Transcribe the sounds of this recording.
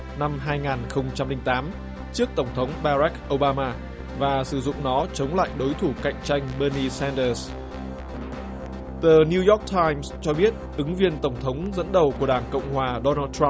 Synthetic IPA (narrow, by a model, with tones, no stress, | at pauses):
na˧mɦaː˧jŋaː˨˩nxə˧wŋ͡mt͡ɕa˧mlï˧ŋ̟t̪aː˨˦m | t͡ɕɨ˦˥ək̚t̪ə˧˩wŋ͡mt̪ʰə˨˦wŋ͡mɓaː˧za˦˥k̚ʔo˧wɓaː˧maː˧ | vaː˨˩sɨ˧˩zʊ̰˧˨ŋ͡mnɔ˨˦t͡ɕə˨˦wŋ͡mla̰ː˧˨jɗo˨˦jt̪ʰu˧˩ka̰˧˨jŋ̟t͡ɕa˧jŋ̟ɓəː˧ni˧sɛ˧nɗəː˧s | t̪əː˨˩ni˧jɔ˦˥k̚t̪ʰaː˧jmst͡ɕɔ˧ɓi˦˥ət̚ʔɨ˨˦ŋvi˧ənt̪ə˧˩wŋ͡mt̪ʰə˨˦wŋ͡mzə̰˧˥nɗə˨˩wku˧˩əɗaː˧˩nkə̰˧˨wŋ͡mhwaː˨˩ɗɔ˧naː˧t̚t̪ʰa˧m